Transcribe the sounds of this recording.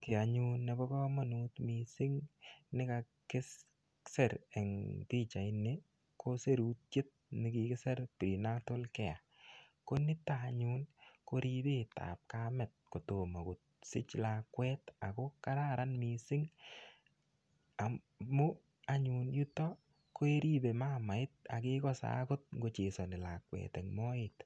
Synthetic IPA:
kɪ˨a˨ɲu˦nːɛ˨bɔ˦kɔ˦ma˨nu˦tmi˨sɪ˦ŋnɪ˦ka | kɪ˦s | sɛ˨ɾɛ˨ŋpi˦t͡ʃa˨ɪ˨ne˦ | ko˦se˦ɾu˦t̚t͡ʃɪ˦t̚nɪ˨ki˨kɪ˦sɛ˦ɾpiɾi˨na˦to˦lkɛ˨ja˨ | ko˦nɪ˦taɲu˦nko˦ɾi˦be˦ta̰˨p̚ka˦mɛ˨t̚ko˨to˨ma˨kʊ˨t̚sɪ̰˦t͡ʃlakwɛ˦ta˨kɔ˦ka˦ɾa˦ɾa˦nmi˨sɪ˦ŋ | a˨ | mʊ˦ | aɲu˨nju˦tɔ˦ | ko˦e˦ɾi˦be˨ma˦ma˨ɪ˦t̚a̰˨kɪkɔ˦sa̰˦kʊ˦t̚ŋɡo˨t͡ʃe˨sɔ˨nɪ˨la˨kwɛ̰˨tɛŋmɔ˦ɪt

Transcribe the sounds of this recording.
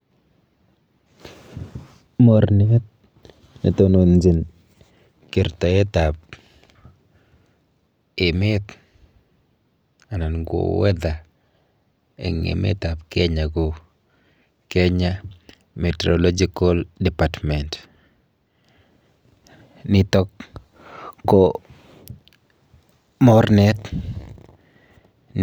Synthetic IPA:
mɔ˨ɾnɪ˨ɛ˦t̪̚ | nḛ˨t̪o˦no˨nd͡ʒi˨n | ki˨ɾt̪a˨jɛ˦t̪a˨p̚ | ɪ˨mɪ˦t̪ | a˨na˨nɡwo̰˨wɛ˦d̪a˨ | ḛ˨ŋḛ˨mḛ˦t̪a˨pkɛ˦ɲa˨ɡo˨ | kɛ˦ɲa˦ | me˨tɾolo˦d͡ʒiko˦ldɛ˨patmɛ˨nt | nɪ˨t̪ɔ˦kː | o | mɔ˦ɾnɛ˦t̪

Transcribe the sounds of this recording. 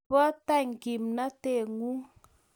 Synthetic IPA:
bɔ˦ta˦˨ŋ̩˨ki˨mna˦te˨ŋu˦ŋ

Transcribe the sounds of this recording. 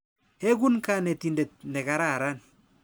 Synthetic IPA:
ɛ˦k̬u˦nkanɛ˨tinde˨t̚nɛ˨ka˨ɾa˦˨ɾa˦n

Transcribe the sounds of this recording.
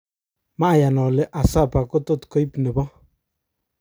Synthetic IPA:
ma˦˨ja˨nɔ˨lɪ˦ʔa˨sa˦˨pa˨ko˦to˦˨tkɔ˦i˦pne˨bɔ˦

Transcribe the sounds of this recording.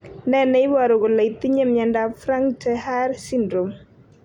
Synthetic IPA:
nɛ˦nɛ˨ɪ˦wa˨ɾo˨ɡo˨la˨i˨t̪i˦ɲe˦mjɛ˨nda˦fɾa˦ŋtʰɛ˦ha˦ɾsi˦ndɾo˨m

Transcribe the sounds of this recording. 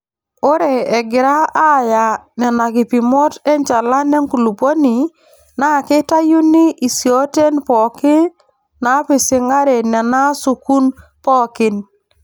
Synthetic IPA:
o˦ɾe˨e˨ɡɪ˨ɾa˦a˦˨ja˨nɛ˨na˨ki˨pi˨mɔ˦te˦ɲt͡ʃa˨la˦ne˦ŋku˨lu˨po˦ni˨ | na˦˨kɪ˦ta˦ju˦ni˦ʔi˨si˨o˦te˦npɔ˨kɪ˦n | na˨˦pɪ˨sɪ˨ŋa˦ɾe˨nɛ˨na˦su˨ku˦npɔ˦kɪ˦n

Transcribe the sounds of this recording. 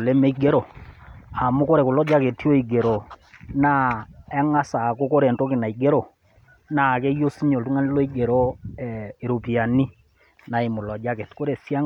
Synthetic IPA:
lɛ˦me˦ɡe˦ɾɔ˨ | a˨mu˦ko˦ɾɛ˨ku˨lɔ˦d͡ʒa˦ke˨tjo˦i˨ɡe˨ɾɔ˨na˦ɛ˦ŋa˦sa˨ko˦ko˦ɾɛ˨nto˦kɪ˨na˨i˨ɡe˦ɾɔ˨ | na˨kɛ˦jo˦si˦ɲo˨ltu˦ŋa˦n˦lo˦i˦ɡe˨ɾɔ˦ɛ˨e˨ɾo˨pi˨a˨ni˦ | na˨e˨mʊ˨lɔ˨d͡ʒa˦ke˨tko˦ɾe˨sja˦ŋ

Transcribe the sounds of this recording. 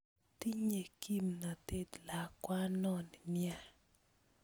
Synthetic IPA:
t̪i˦ɲe˨ki˦mna˨t̪e˦˨dla˨kwa˦nɔ˦n˨nja˦

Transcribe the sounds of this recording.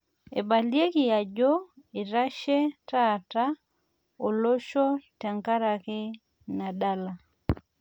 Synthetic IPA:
ḛ˨ba˨lje˦kɪ˦˨ja˨d͡ʒo˦e˨ɾa˦ʃe˦ta˦ta˦ | o˨lo˦ʃo˦ta˨ŋka˦ɾa˨kɪ˦ | na˨da˦la˨

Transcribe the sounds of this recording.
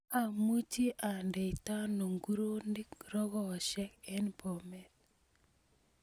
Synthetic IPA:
a˨mu˦t͡ʃi˦ʔa˨ndɛ˨i˨ta˦no˨ŋɡu˦ɾo˦ndi˦kɾɔ˦ɣɔ˨ʃɛ˦kɛ˦npɔ˨mɛ˨t

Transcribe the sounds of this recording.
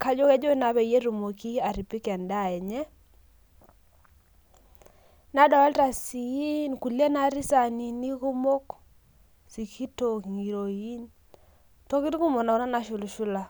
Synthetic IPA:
ka˦d͡ʒo˦kɛ˦d͡ʒo˦na˨βɛ˨je˦ɾu˨mo˨ki˦a˨ɾi˨pi˦kɛ˨nda˦˨ɛ˨ɲɛ˦ | na˦dɔ˨ɛ˦lta˨si˨i˦nku˨le˦na˦ɾi˦sa˨ni˨ni˦ku˦mo˦k | si˨kʰi˦to˨ki˨ŋi˨ɾo˨ji˦n | to˦ki˦tku˦mo˨na˨u˦na˦na˦ʃu˨lu˨ʃu˦la˨

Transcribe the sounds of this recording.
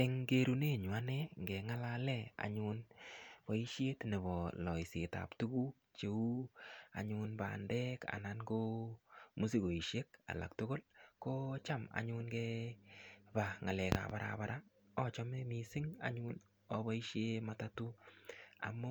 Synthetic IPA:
ɛ˨ŋɡe˦ɾu˦ne˦ɲwa˦nɛ˦ŋɡɛ˨ŋa˦la˦lɛ˨a̰˨ɲʊ˦npa˨i˦ʃje˦tne˨bɔ˨lɔ˨i˨sɪ˨ta̰˨ptu˦ɡu˦ | t͡ʃe˨u˦a̰˨ɲʊ˦nba̰˨ndɛ˦ka̰˨na˦nko˦mu˦si˦ɡo˨i˨ʃe˦k̚a̰˨la̰˨k̚tʊ˦ɡo˦lko˦t͡ʃa˦ma̰˨ɲʊ˦nɡɛ˦ | ba˨ŋa˨lɛ˨ka̰˨ba˦ɾʔa̰˨ba˦ɾʔa˦ | ɔ˦t͡ʃɔ˦me˦mi˨sɪ˦ŋa̰˨ɲʊ˦n | ɔ˦bɔ˦i˦ʃe˦mata˦tu˦a̰˨mo˦

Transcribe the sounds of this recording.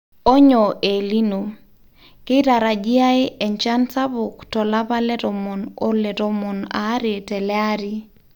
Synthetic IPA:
ɔ˦ɲɔ˨ʔe˨li˦no˨ | ke˦ɾa˨ɾa˨d͡ʒi˦a˦ɪ˦ɛ˨ɲt͡ʃa˦nsa˦bʊ˨ktɔ˨la˦pa˦lɛ˦ɾɔ˨mɔ˨nɔ˦lɛ˨ɾɔ˨mɔ˨na̰˨˦ɾe˨tɛ˨lɛ˦a˦ɾi˦

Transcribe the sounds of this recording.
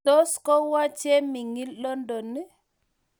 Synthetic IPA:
ɔ˦skɔ˦wa˦t͡ʃɛ˦mi˨ŋi˦llɔ˦ndɔ˨nːi˦

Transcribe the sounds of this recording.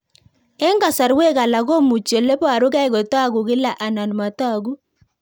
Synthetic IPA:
ɛ˦ŋɡa˨sa˨ɾwe˦ɣa˨la˨ɣo˦mu˨t͡ʃje˨le˦pa˨ɾu˦ɣa˦i˦ɣo˨ta˦ɣu˨ɣɪ˦la˦˨ʔa˨na˨n˨ma˨ta˦˨ɣu˦

